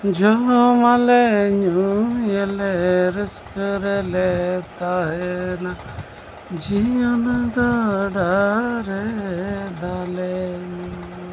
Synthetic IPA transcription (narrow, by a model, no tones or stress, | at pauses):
d͡ʒoɾomaleɲujeleɾɪskəɾelet̪aɦena | d͡ʒijənɡaɖaɾe | d̪aːleɲu